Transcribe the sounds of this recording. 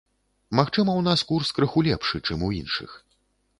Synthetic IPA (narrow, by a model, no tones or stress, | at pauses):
maxt͡ʂɨmɐwn̪askurskɾɐxulʲɛpʂɨt͡ʂɨmuḭnʂɨ̰x